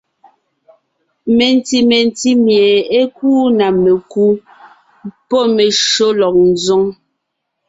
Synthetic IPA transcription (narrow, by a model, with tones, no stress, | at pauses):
me˨n˨ti˨me˨n˨ti˦mje˨e˦k̚uː˦na˨me˨ku˦ | pɔ˦˨me˨ʃo˦lɔ˨k̚n̩˨zɔ˦ŋ